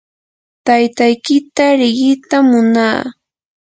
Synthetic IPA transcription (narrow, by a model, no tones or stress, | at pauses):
t̪ajt̪ajkɪt̪aɾɪɢɪt̪amːʊnaː